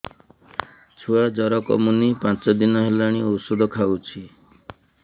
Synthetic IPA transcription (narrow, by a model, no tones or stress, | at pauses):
t͡ʃʰuad͡ʒɔɾɔkɔ̰munipãt͡ʃɔd̪inɔɦelaɽ̃iosud̪ʱɔkʰawt͡ʃʰi